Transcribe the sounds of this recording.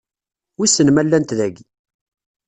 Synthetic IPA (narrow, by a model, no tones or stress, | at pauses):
wisənmælːænt̪ðæɡi